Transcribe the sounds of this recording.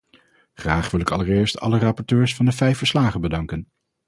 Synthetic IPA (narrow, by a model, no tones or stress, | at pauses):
χraːχʋɪlˠɪkɑləɹɪːɹstʰɑ̰lərɑpɔɹtøːɹsfɑndəvɛjfəɹslaːχənbədɑŋkən